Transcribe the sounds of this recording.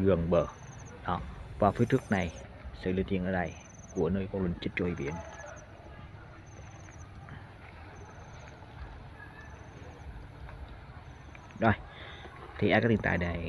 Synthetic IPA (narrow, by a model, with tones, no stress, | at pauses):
ɨ˨˩əŋɓəː˧˩ | ɗɔ˨˦vaː˨˩fi˨˧˦t̪ʰɨ˦˥ək̚na˨˩jsɨ̰˧˨li˧nt̪i˧˨ənʔəː˧˨˩ɗa˧˩j | ku˧˩ənəː˧jkɔ˧nlwə˨˩nt͡ɕi˦˥t̚t͡ɕo˧hi˧˩ɓḭ˧˦ən | ɗɔ˧˩j | t̪ʰi˨˩ʔaː˧˥kːaː˦˥t̪i˨t̪a̰ː˧˨jɗa˨˩